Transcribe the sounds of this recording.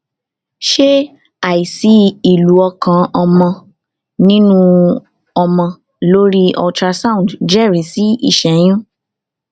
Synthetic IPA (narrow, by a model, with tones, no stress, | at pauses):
ʃe˦ | a˨i˨si˨˦i˨lu˨˦ɔ˧kã˧ɔ˧mɔ̃˧ | nĩ˦nũ˦ | ɔ˧mɔ̃˧ | lo˦ɾi˦ɔ̰˧tɾa˧sa˦ũ˨dd͡ʒɛ˦˨ɾi˨˦si˦ḭ˦˨ʃɛ˨j̃ũ˦